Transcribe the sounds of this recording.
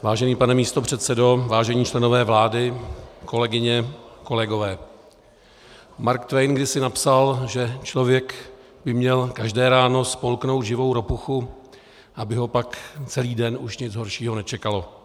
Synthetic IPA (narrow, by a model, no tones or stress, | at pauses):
vaːʒɛniːpanɛmiːst̪o̞pr̝̥ɛt̪sɛdo̞vaːʒɛɲiːt͡ʃlɛno̞vɛːvlaːdɪko̞lɛɡɪɲɛko̞lɛɡo̞vɛː | maɾkt̪vɛjnɡdɪsɪnapsalʒɛt͡ʃlovjɛk | bɪmɲɛlkaʒdɛːɾaːno̞spo̞lkno̞wt̪ʒɪvo̞wɾo̞puxu | ʔabɪɦo̞pakt͡sɛliːdɛnʔuʃɲɪd͡zɦo̞ɾʃiːɦo̞nɛt͡ʃɛkalo̞